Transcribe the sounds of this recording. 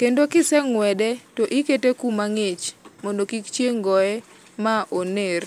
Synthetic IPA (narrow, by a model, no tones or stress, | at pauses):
kendokɪsɛŋwɛdɛtɔʔɪketekumaŋɪt͡ʃmɔndokikt͡ʃjeŋɡɔɛ | maʔoner